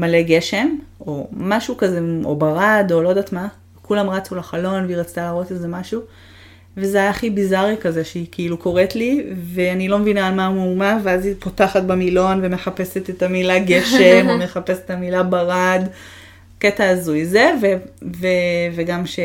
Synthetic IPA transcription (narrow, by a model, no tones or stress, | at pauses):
maleɡe̞ʃe̞mo̞maʃukazeo̞̰baʁado̞lo̞daːt̪ma | kulamʁat͡sulaχalo̞nveiʁat͡st̪alaːʁo̞tezemaʃu | vezeajaχibizaʁikazeʃeikʰiiluko̞ʁetliveanilo̞mevinaːlmamumaveazipo̞taχat̪̚bamilo̞nvemeχape̞se̞t̪etamilaɡe̞ʃemome̞χape̞setamilabaʁad | ketaːzuizeveveveɡamʃe